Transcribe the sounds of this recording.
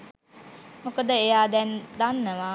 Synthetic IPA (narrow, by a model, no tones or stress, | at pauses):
mokəd̪əejaːd̪ɛnd̪anːəʋa